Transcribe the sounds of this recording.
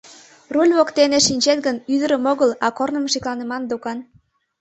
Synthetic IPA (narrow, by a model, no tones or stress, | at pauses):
rulʲβokt̪eneʃinʲt͡ɕet̪ɡənyd̪əɾə̆moɣəlɑkornə̆mʃiklɑnə̆mɑnd̪okɑn